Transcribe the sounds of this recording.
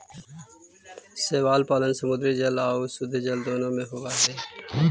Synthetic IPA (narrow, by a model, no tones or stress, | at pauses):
seːʋaːlpaːlənsəmʊd̪ɾiːd͡ʒəlaːoːsʊd̪ʱeːd͡ʒəld̪oːnõːmẽːɦoːʋaːɦeː